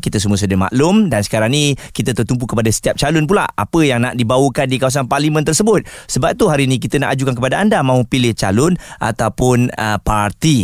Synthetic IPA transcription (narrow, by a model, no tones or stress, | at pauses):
kit̪əs̬əmuəs̬ədəma̰ʔlʊmdansə̥kaɾaŋnikit̪ət̪ərt̪ump̬ukəpadasə̥t̪iap̚t͡ʃalʊnp̬ula̰a̰pəjaŋnaʔdibawəkandikawas̬anparlimə̃nt̪ərsəbʊt̪̚səbap̚t̪uɦaɾinĩk̬it̪ənaʔad͡ʒukankəpadaandamãupilɪht͡ʃalʊnʔa̰t̪awpʊnəpart̪i